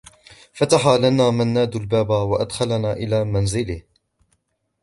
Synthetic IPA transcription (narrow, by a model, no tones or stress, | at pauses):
fat̪aħaːlanaːmanːaːd̪albaːbawaʔad̪xalnaːʔɪlaːmanzɪlɪh